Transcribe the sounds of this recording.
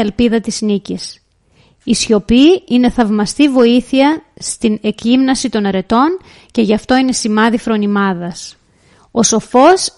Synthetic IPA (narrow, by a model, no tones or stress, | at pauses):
elpiðɐt̪iznicis | isço̞piine̞θɐvmɐst̪ivo̞iθiɐst̪ine̞kimnɐsit̪o̞nɐɾe̞t̪o̞n | ce̞ʝɐft̪o̞ine̞simɐðifɾo̞nimɐðɐs | o̞so̞fo̞s